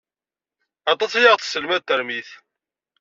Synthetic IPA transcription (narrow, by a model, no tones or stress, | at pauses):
ɑt̪ˤɑsæjaʁθsəlmæðt̪ːəɾmiθ